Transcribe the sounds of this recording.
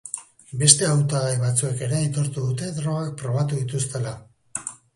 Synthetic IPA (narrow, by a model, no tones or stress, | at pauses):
be̞st̪e̞awt̪aɣajβat͡sue̞ke̞ɾe̞ajt̪o̞ɾt̪uðut̪e̞ðɾo̞ɣak̚pɾo̞β̞at̪uðit̪ust̪e̞la